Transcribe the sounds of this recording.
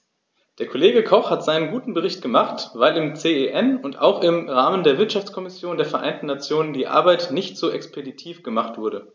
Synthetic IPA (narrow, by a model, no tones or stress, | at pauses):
d̥eːɐkʰoleːɡəkʰɔχhatz̥aɪnənɡuːtn̩bəʁ̞ɪçt̚ɡ̥əmaχtvaɪlɪmt͡seːeʔɛnʊntʔa̰ʊxɪmʁaːməndeːɐvɪɐtʃaft͡skʰɔmɪsjoːndeːɐfɛɐʔaɪntn̩nat͡sjoːnəndiːʔa̰ɐbaɪtnɪçtz̥oːʔɛkspeditʰiːfɡ̥əmaχtv̥ʊɐdə